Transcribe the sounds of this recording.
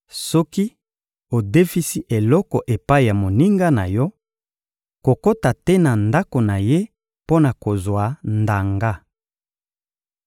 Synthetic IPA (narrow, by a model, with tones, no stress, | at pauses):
sɔ˦ki˦ | o˨de˦fi˦si˦ʔe˨lɔ˦kɔ˨ʔe˨pa˦i˨ja˨mo˨ni˦ŋɡa˦na˨jɔ˦ | ko˨ko˦ta˨tɛ˦na˨nda˦ko˨na˨je˦ | po˦na˨ko˨zwa˨nda˨ŋɡa˦